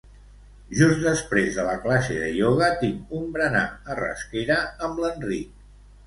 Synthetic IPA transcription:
ʒusd̪əspɾezðələklaseðəʎoɣət̪iŋumbɾəna̰ərə̰skeɾəəmlənrik̚

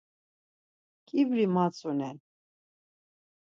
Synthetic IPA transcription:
kʼibɾimat͡sʼunɛn

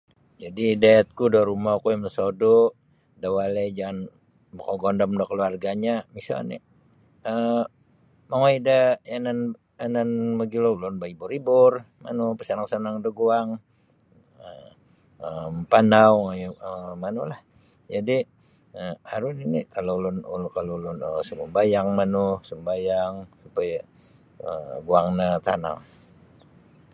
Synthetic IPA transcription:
d͡ʒadidaɛt̪̚kudoɾumakujaməsodɔ | dawaled͡ʒaŋan | bakɔɡɔndɔmdɔkəluarɡaɲamisa̰lnḭ | ə | maŋoidəanan | ənanməɡilolɔnbaibʊɾibʊr | ma̰nupəsanaŋsanaŋdoɡuaŋ | ə | əmpanawŋajəmanʊlah | d͡ʒadi | əaɾʊninikalolʊnukalolʊnəsəməmbajaŋmanʊhsəmbajaŋsupaja | əɡuaŋnat̪a̰na̰ŋ

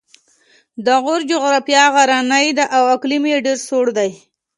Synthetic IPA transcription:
d̪əɣʊɾd͡ʒʊɣɾɑfijɑɣaɾanajd̪əʔawaklimjeɖeɾsoɽd̪aj

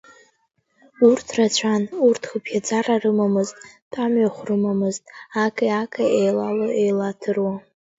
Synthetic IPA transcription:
urtʰrat͡ɕʷʰanurtʰχəpʰjad͡zararɨmamɨztʼd̥ʼamɥaχʷrɨmamɨztʼakʼaakʼaejlalɨejlatʰɨrwa

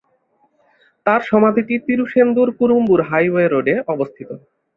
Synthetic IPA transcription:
t̪aɾʃɔmad̪ʱiʈit̪iɾuʃend̪uɾkuɾumbuɾɦajweeɾoɖeɔbost̪ʰit̪o

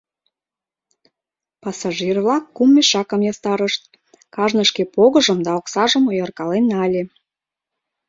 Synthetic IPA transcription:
pɑsɑʒirvlɑkːumːeʃɑkəmjɑst̪ɑɾəʃt̪̚ | kɑʒnəʃkepoɣəʒəmd̪ɑoksɑʒəmojɑrkɑlenɑlʲe

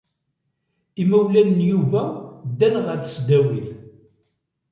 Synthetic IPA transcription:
imæwlænənjuvæd̪ːænʁəɾθə̥sd̪æwiθ

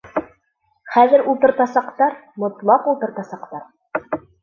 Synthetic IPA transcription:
χæðɘɾulˠt̪ɤ̆ɾt̪ɑsɑqt̪ɑɾmŏt̪lˠɑqulˠt̪ɤ̆ɾt̪ɑsɑqt̪ɑɾ

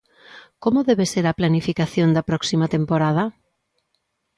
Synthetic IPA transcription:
komʊðɛβeseɾɐplanifikaθjond̪ɐpɾɔksimɐt̪empoɾað̞ɐ

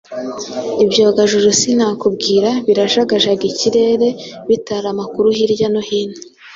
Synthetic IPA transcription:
ibɟoːɡaʒuɾusinaːkubɡiːɾaβiɾaʒaɡaʒaɡiciɾe̞ɾe̞βitaɾamakuɾuhiɾɟanohine

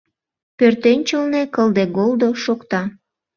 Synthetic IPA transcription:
pørt̪enʲt͡ɕəlnekəld̪eɡold̪o̽ʃokt̪ɑ

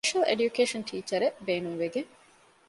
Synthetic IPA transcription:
ʃɐlḛɖjukeːʃɐnʈʰiːt͡ʃɐɾebeːnuŋʋeɡe

